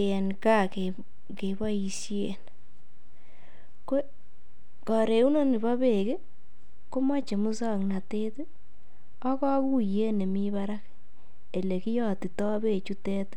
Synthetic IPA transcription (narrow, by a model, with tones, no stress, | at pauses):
nka˦˨ke | ke˨bɔ˦i˨sjḛ˨n | ko˦ | kɔ˨ɾe˨u˦no˦ni˨ba˦be˨ke˦ | ko˦ma˦t͡ʃe˨mu˦sa˦˨kna˨te˦t | ɔ˦kɔ˦ku˦je˦ne˨mi˦ba˦ɾa˦k | e˨le˨ki˦jɔ˨ti˨tɔ˦be˦˨t͡ʃu˦tɛ˦t